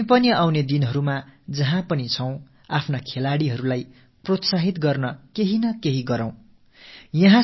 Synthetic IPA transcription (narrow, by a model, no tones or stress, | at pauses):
epʌniawned̪inɦʌɾumad͡zʌɦãpʌnit͡sʰʌw̃ | apʰnakʰelaɽiɦʌɾulaj | prot̪saɦit̪ɡʌrnʌkeɦinʌkeɦiɡʌɾãw̃ | jʌɦã